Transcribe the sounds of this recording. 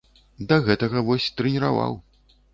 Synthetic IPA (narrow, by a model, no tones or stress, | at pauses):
d̪ɐɣɛt̪ɐɣɐvɔsʲt̪ɾɨnʲiɾava̰w